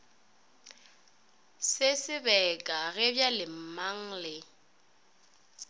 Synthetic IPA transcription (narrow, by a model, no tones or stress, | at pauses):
sɪsɪbɛkʼaɣɪbjalɪm̩maŋ̩lɪ